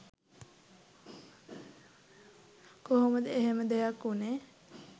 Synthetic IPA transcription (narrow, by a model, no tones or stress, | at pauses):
koɦoməd̪əeɦeməd̪eɦakːune